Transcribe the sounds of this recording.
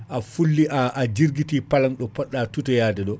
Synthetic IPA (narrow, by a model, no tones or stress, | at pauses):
afulːiʔaʔad͡ʒiɾɡitipalanɗɔpɔɗːatutɛjaːdɛɗɔ